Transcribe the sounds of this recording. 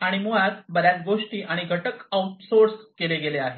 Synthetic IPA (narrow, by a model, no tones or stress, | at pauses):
aɽ̃imuɭat̪bəd̪jat̪ɡoʂʈiːʔaɽ̃iɡʱəʈəkəwʈsoɾskeleɡeleaɦe